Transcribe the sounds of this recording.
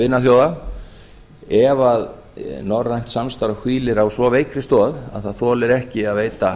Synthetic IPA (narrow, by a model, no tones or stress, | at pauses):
ɪnːaθjoːwða | ɛvað | nɔrajn̥t̪samst̪aɾahwiːlɪɾawsvɔvejkɾɪst̪ɔːða̰ðθaðθɔːlɪɾɛhcɪaðveːjt̪a